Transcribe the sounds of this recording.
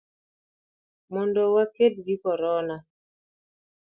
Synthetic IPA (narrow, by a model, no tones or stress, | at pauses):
mɔndɔwaked̚ɡɪkɔɾɔna